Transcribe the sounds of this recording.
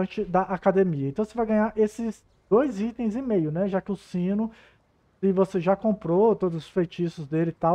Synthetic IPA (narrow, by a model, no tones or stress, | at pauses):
t͡ʃɪd̪ɐʔakad̪emiɐẽt̪ɐ̃w̃sevajɡɐ̃ɲaɾʔesɪz | d̪ojzit̪ẽj̃zĩmejʊnɛʒakɪʊsĩnʊ | ɪvoseʒakõpɾot̪od̪ʊzʊ̥sfejt͡ʃisʊzd̪elɪt̪a